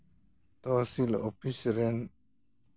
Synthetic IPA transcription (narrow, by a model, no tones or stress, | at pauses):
t̪oːsilopʰisɾen